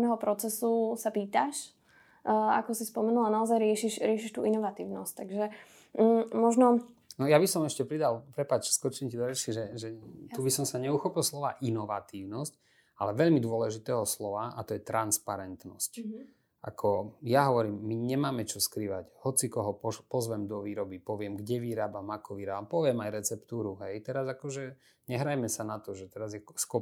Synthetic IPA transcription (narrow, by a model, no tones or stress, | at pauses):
nɛɦɔpɾɔt͡sɛsusapiːt̪aʃ | a̰kɔsispɔmɛnulanaɔzajɾɪɛʃiʃɾɪɛʃiʃt̪ṵːʔinɔʋat̪iːʊnɔsc̚t̪aɡʒɛ | mɔʒnɔnɔjabisɔmɛʃcɛpɾid̪alpɾɛpat͡ʃskɔt͡ʃɛɲcid̪ɔɾɛt͡ʃiʒɛʒɛt̪ubisɔmsaɲɛuxɔpilˠslɔʋaːʔinɔʋat̪iːʊnɔsc | alɛʋɛʎmid̪ʊɔlɛʒit̪ɛːɦɔslɔʋaʔa̰t̪ɔjɛt̪ɾanspaɾɛnt̪nɔ̰sc | ʔa̰kʰɔjaɦɔʋɔɾiːmːiɲɛmaːmɛt͡ʃɔskɾiʋachɔt͡sikɔɦɔpɔpɔzʋɛmd̪ɔʋiːɾɔbipɔʋɪɛmɡɟɛʋiɾaːbamakɔʋiɾaːbampɔʋɪɛmajɾɛt͡sɛpt̪uːɾuɦɛjt̪ɛɾazakɔʒɛ | ɲɛɦɾajmɛsanat̪ɔʒɛt̪ɛɾazjɛskɔ